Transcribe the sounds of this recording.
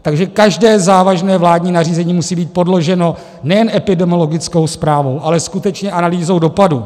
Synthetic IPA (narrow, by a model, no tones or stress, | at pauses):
t̪aɡʒɛkaʒdɛːzaːvaʒnɛːvlaːdɲiːnariːzɛɲiːmusiːbiːt̪̚po̞dlo̞ʒɛno̞ | nɛjɛnʔɛpɪdɛmɪolo̞ɡɪt͡sko̞wspɾaːvo̞wʔalɛskut̪ɛt͡ʃɲɛʔanaliːzo̞wdo̞padu